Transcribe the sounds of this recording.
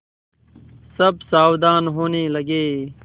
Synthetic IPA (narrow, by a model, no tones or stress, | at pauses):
səbsaːwd̪aːnɦoːneləɡeː